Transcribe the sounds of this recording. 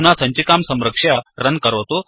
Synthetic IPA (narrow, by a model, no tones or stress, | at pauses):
nat͡saɲt͡ɕikamsə̃mɾəkʂjaɾənkəɾʋt̪o